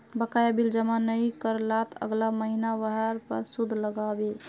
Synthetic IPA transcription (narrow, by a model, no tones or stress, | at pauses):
bəkajabild͡ʒəmanəikəɾlat̪ʰə̰ɡlaməɦinabəɦəɾpə̰ɾsud̪ʱləɡabe